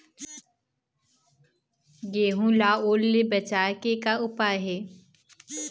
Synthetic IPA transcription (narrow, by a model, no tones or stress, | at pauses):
ɡeːɦũlaːoːlːebət͡ʃaːkekaʊpaɦɛː